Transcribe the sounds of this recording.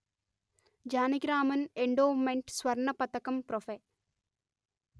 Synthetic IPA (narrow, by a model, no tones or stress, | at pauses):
d͡ʑaːniɡɾaːmɐneɳɖoːmeɳʈsʋɐɾɳɐpɐt̪ːɐkːɐmpɾofe